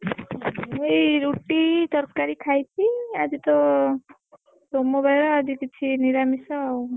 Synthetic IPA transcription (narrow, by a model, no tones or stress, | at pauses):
ejɾuʈit̪ɔɾkaɾikʰajtʰiad͡ʒit̪ɔ | somɔbʱajɾɔad͡ʒikit͡ʃʰiniɾamisɔaw